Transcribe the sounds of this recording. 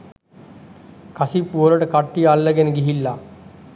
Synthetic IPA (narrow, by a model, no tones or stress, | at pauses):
kasipːuoɾəʈəkaʈːijəalːəɡenəɡiɦilːa